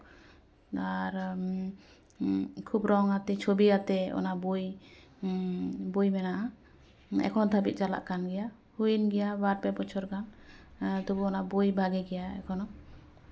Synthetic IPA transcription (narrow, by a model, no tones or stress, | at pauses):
aɾ | kʰubɾɔŋat̪ɛt͡ʃʰobiat̪ɛɔ̰nabuj | bujmɛnaʔa | ɛ̰kʰɔnɔd̪ʱabit̪̚ˀd͡ʒala̰ʔkanɡɛja | hujinɡɛjabaɾpɛpɔt͡ʃʰɔɾɡan | t̪ubuɔnabujbʱaɡɛɡɛjaɛ̰kʰɔnɔ